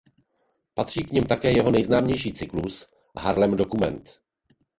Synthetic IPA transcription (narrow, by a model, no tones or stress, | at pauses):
pat̪r̝̥iːkɲɪmt̪akɛːjɛɦo̞nɛjznaːmɲɛjʃiːt͡sɪklus | ɦaɾlɛmdo̞kumɛ̰nt̪